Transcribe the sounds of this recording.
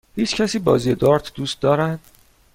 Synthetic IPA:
hiːt͡ʃʰcʰæsiːbɒ̰ːziːjed̪ɒːɾt̪ʰd̪uːst̪̚d̪ɒːɾænd̪̥

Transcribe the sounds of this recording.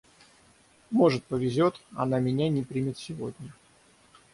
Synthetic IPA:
mo̞ʐɨt̪̚pəvʲɪzʲo̞t̪ɐ̰namʲɪnʲanʲɪpɾʲimʲɪt̪sʲɪvo̞dʲnʲə

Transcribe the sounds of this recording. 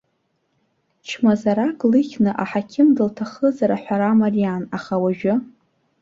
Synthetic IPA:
t͡ʃʰmazaɾakʼlɨχʲnɨʔaħakʲʰɪmdɨltʰaχəzaɾaħʷᶣaɾamarijanaχawaʒᶣʊ

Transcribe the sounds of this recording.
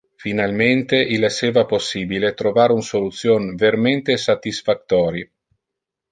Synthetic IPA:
finalment̪eʔileseːvaposːiːbilet̪ɾovaːɾeunsolut̪sːjoːnveɾment̪esat̪isfat̪ːɔːɾi

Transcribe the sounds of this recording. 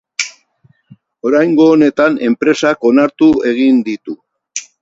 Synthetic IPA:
o̞ɾajŋɡo̞ːne̞t̪ane̞mpɾe̞sako̞naɾt̪ue̞ɣind̪it̪u

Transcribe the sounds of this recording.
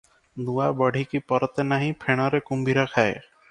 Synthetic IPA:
d̪uabɔɽʱikipɔɾɔt̪enaɦĩpʰeɽ̃ɔɾekumbiɾakʰae

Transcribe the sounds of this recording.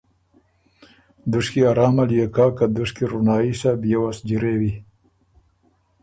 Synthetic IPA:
d̪uʂkiaɾɑːmaljekɑːkad̪ʊʂkiɾunɑːisabjewasd͡ʒiɾewi

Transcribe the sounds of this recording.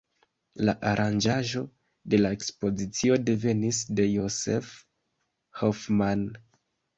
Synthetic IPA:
la̰ʔaɾʔand͡ʒaʒo̞ | de̞lae̞kspo̞zit͡sio̞de̞ve̞nisde̞jo̞se̞f | hofman

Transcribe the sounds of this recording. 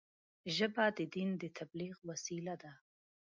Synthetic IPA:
ʒəbad̪əd̪ind̪ət̪ʰabliɣwasilad̪a

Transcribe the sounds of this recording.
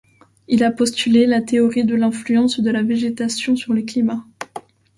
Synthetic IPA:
ilapɔst̪ylelat̪eɔʁid̪əlɛ̃flyɑ̃sd̪əlaveʒet̪asjɔ̃syʁləklima

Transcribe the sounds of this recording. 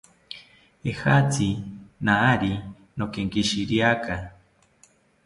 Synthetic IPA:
ehat͡sinaːɾi | nokeŋkiʃiɾjaka

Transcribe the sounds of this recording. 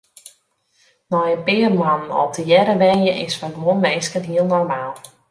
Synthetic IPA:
nɔjənpɪːrmanənɔ̰təjɛɾəʋɛnjəʔɪsfaɡʋonmejskənɦiəlˠnɔrmaːlˠ

